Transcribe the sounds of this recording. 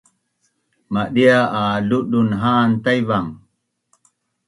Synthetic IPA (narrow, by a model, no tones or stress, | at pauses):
maɗiaʔaluɗunɦaːnt̪ajβaŋ